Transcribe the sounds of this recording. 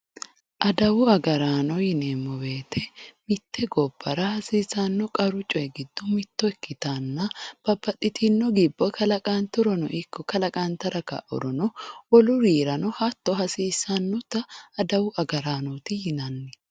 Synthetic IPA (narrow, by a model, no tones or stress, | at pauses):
ʔɐd̪ɐwʊɐɡɐɾaːnɔjɪneːmːɔbe̞ːt̪ʰɛmɪt̪ʰːɛɡɔbːɐɾɐhɐsiːsanːɔkʼɐɾʊt͡ʃʼɔɛɡɪd̪ːʊmɪt̪ːɔɛkːɪt̪anːɐb̥ɐbːɐt̪ʼːɪt̪ʰinːɔɡɪbːɔkʰɐlɐkʼaːnt̪ʊɾɔnɔ̰ʔɪkːɔkɐlɐkʼaːnt̪ɐɾɐkɐ̰ʔɔ̰ɾɔnɔwɔlʊɾiːɾɐnɔhat̪ːɔɦɐsiːsɐnːɔt̪ɐːd̪ɐwʊʔɐɡɐɾaːnɔt̪ɪhɪnɐnːɛ